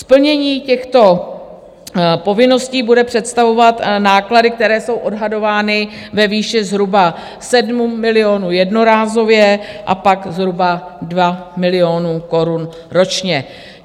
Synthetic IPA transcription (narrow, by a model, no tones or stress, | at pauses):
spl̩ɲɛɲiːcɛxt̪o̞ | po̞vɪno̞sciːbudɛpr̝̥ɛt̪st̪avo̞vat̪naːkladɪk̚t̪ɛɾɛːso̞wʔo̞dɦado̞vaːnɪ | vɛviːʃɪzɦɾuba | sɛdmumɪlɪoːnujɛdno̞ɾaːzo̞vjɛʔa̰paɡzɦɾubadvamɪlɪjonuko̞ɾun | ɾo̞t͡ʃɲɛ